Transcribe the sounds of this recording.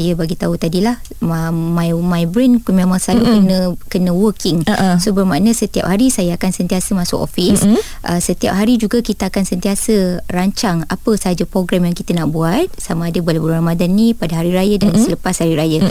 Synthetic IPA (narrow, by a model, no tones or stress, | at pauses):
jəbaɡit̪aut̪adilah | mmajmajbɾɛnkumẽmãŋsalukənəkənə̃wəkɪŋsobərmanə̃sət̪ia̰p̚haɾisajaakansənt̪iasəmãsʊ̰ko̰fis | ʔə̰sət̪ia̰p̚ɦaɾid͡ʒuɡakit̪əakansənt̪iasəraɲt͡ʃaŋapəsəɦad͡ʒapɾoɡɾamjaŋkit̪ənaʔbuat̪̚samaːdəbəlabəlɾamadanːĩpadaɦaɾiɾajədaŋansələpashaɾiɾajə